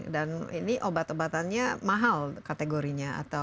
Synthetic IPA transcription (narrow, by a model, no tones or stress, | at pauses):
danḭniʔobat̪obat̪anɲamaɦalkat̪eɡoɾiɲaa̰t̪a